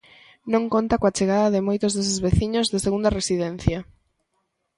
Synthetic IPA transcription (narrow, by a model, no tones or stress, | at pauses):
nõŋkont̪akoat͡ʃeɣ̞aðɐðɪmojt̪ʊzðes̬ɪzβeθiɲozðeseɣund̪ɐresiðɛnθjɐ